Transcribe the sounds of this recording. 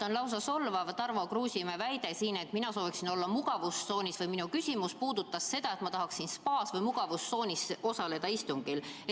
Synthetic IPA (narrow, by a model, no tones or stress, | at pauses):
onlɑws̬ɑso̞lːvɑvɑt̪ːɑrvɑkruːsʲimevæjd̪e̞siːne̞t̪minɑso̞ːviksino̞lːɑmuɡ̥ɑvusːo̞ːnʲisvɯjminukysʲimuspuːd̪ut̪ːˑɑsːe̞d̪̥ɑe̞t̪mɑt̪ɑɦɑksinspɑːsvɤjmuɡ̥ɑvusːo̞ːnʲisʔo̞sɑle̞d̪̥ɑist̪uŋɡ̥il